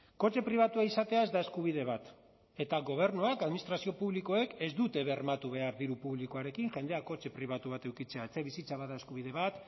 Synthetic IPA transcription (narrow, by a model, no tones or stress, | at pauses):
ko̞t͡ʃe̞pɾiβ̞at̪uaisat̪e̞ae̞zd̪ae̞skuβ̞iðe̞βat̪ | e̞t̪aɣo̞β̞e̞ɾnuakaðminist̪ɾasio̞puβliko̞e̞ke̞zd̪ut̪e̞βearmat̪uβe̞aɾðiɾupuβlikoaɾe̞kiŋʝe̞nd̪e̞ako̞t͡ʃe̞pɾiβ̞at̪uβ̞at̪e̞wkit͡se̞aet͡seβisit͡saβaðae̞skuβ̞iðe̞βat̪